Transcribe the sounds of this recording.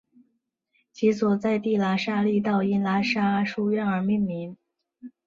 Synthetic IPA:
t͡ɕʰi˧˥swɔ˨˩t͡sa˥˧ɪt̪i˥˩la˧˥ʂa˥li˥˧t̪ɑ˥˩ʊi˥nla˧˥ʂa˥ʂu˥ɥɛ˥˩nə˞˧˥mi˥˩nmi˧˥ŋ

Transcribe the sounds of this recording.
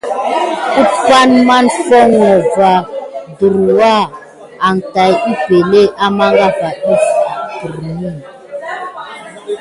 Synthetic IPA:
u˦pa˦nma˦nfɔ˦ŋɔ˨va˨du˨ɾwa˦˨ | a˨ŋta˨ji˦pe˨le˦ʔa˦ma˦ŋɡa˦va˨ɗi˦ftu˨ɾmi˦˨n

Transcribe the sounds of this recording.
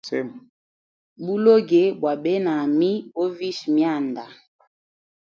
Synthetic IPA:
sɛ˦m˨ | bu˦lo˦ɡe˨bwa˨ɓɛ˦na˨mi˦bo˦vi˦ʃmja˦˨nda˨

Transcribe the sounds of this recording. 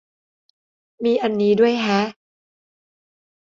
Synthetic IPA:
miː˧ʔa˧nːiː˦˥du˥˩əjɦa˦˥ʔ

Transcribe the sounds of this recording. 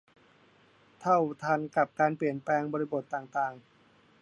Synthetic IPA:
t̪ʰa˥˩wt̪ʰaː˧nka˨˩p̚kaː˧npli˨˩ənplɛː˧ŋbɔː˧ɾi˧bo˨˩t̪ːaː˨˩ŋt̪aː˨˩ŋ

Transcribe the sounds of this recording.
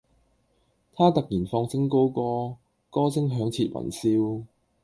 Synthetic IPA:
t̪ʰaː˥t̪ɐ˨k̚jiː˨˩nfɔː˧ŋsɪ˥ŋko˥wkɔː˥ | kɔː˥t͡sɪ˥ŋɦœː˨˥ŋt͡sʰiː˧t̚wɐ̰˨˩nsiː˥w

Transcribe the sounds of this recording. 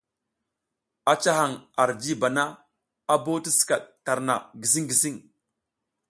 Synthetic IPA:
a˨t͡ʃa˦ɦa˨ŋa˨ɾd͡ʒi˦ba˨na˦ | a˦bo˦ti˦si̥˨ka˨ɗ̚ta˨ɾna̰˨ɡi˨s̬i˦ŋɡi˨si˦ŋ

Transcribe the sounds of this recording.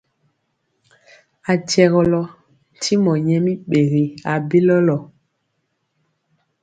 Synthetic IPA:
a˨tɛ˨ɣɔ˨lɔ˦˨ | tʰi˦mɔ˨ɲɛ˦mi˦ɓe˨ɣi˨a˨be˦lɔ˦lɔ˨

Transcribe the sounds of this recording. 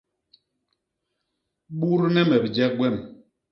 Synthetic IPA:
ɓu˦ɾnɛ˦mɛ˨bd͡ʒɛ˦k̚ɡwɛ˦˨m

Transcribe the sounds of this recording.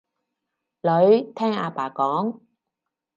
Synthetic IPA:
lɵ˨˧˥ɥt̪ʰɛː˥ŋaː˧paː˨˩kɔː˨˥ŋ

